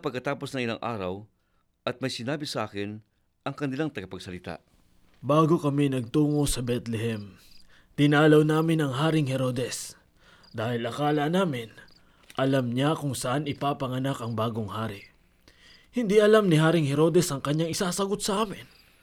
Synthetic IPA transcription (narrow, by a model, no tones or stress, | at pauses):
pɐɡ̚kɐt̪aːpo̞snɐŋɪla̰ŋʔa̰ːɾɐ̰w | ʔɐt̪̚mɐjsɪnaːbɪsɐʔaːkɪn | ʔɐŋkɐnɪlaŋt̪ɐɡɐpɐɡ̚sɐlɪt̪a̰ʔ | baːɡo̞kɐmɛnɐɡ̚t̪uːŋo̞sɐbɛt̪lɛɦɛm | t̪ɪnaːlɐwnaːmɪnɐŋɦaːɾɪŋɦɛɾo̞ːd̪ɛs | d̪aːhɪlɐkaːlɐnaːmɪn | ʔɐlamɲakʊŋsɐʔanɪpaːpɐŋɐnakɐŋbaːɡoŋhaːɾɪ | hɪnd̪iʔɐlamnɪɦaːɾɪŋhɛɾo̞d̪ɛsɐŋkɐɲːaŋɪsaːsɐɡo̞t̪̚sɐʔaːmɪn